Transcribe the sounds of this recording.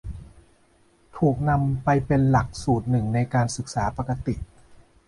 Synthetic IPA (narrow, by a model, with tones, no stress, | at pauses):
t̪ʰuː˨˩k̚na˧mpa˧jpe˧nla˨˩k̚suː˨˩t̪̚nɯ˨˩ŋna˧jkaː˧nsɯ˨˩k̚saː˩˦pa˧ka˧t̪i˨˩ʔ